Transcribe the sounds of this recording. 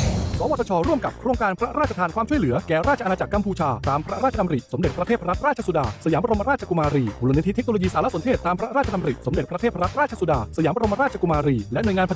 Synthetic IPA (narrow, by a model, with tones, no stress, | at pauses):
sɔː˨˦wa˨˩t̪ʰa˧t͡ɕʰɔː˧ɾu˥˩əmka˨˩p̚kʰɾoː˧ŋkaː˧npʰɾa˦˥ɾaː˥˩t̚t͡ɕa˧t̪ʰaː˧nkʰwaː˧mʰu˥˩jlɯ˩˦ɐkɛː˨˩ɾaː˥˩t͡ɕʰa˧naː˧t͡ɕa˨˩kːa˧mpʰuː˧t͡ɕʰaː˧t̪aː˧mpʰɾa˦˥ɾaː˥˩t̚t͡ɕa˧na˧m˧ɾi˨˩t̪̚so˩˦mde˨˩t̪̚pɾa˧eː˥˩a˧ɾa˦˥t̪̚ɾaː˥˩t͡ɕʰa˧su˧daː˧sa˧jaː˩˦bɾo˧ma˧ɾaː˥˩t̪̚t͡ɕʰa˧ku˧maː˧ɾiː˧u˨lu˧ni˦t̪ʰi˦˥t̪̚ʰno˧lo˧jiː˧saː˩˦la˦˥ʔso˩˦t̪ʰeː˥˩t̪ːaː˧mpʰɾa˦˥ɾaː˥˩t͡ɕʰa˧a˧m˧ɾi˨˩t̪̚so˩˦md̪e˨˩t̪pʰɾa˧t̪ʰeː˥˩pʰɾa˦˥t̪̚ɾaː˥˩t͡ɕʰa˧su˧daː˧sa˧jaː˨˦ma˧ɾo˧mʰa˧ɾaː˥t̪̚t͡ɕʰa˧ku˧maː˧ɾiː˧lɛ˦˥ʔnu˨˩əŋa˧npʰ